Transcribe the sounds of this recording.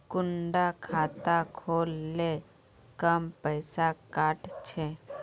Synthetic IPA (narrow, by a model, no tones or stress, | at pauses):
kʊɳɖakʰaːt̪akʰoːlːe | kəmpəɪsakaːʈt͡ʃʰe